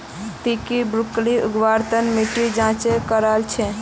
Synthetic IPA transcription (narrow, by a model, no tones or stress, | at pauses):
t̪ikibɾukliuɡʋaɾt̪ənmiʈid͡ʒãt͡ʃekəɾalt͡ʃʰɛ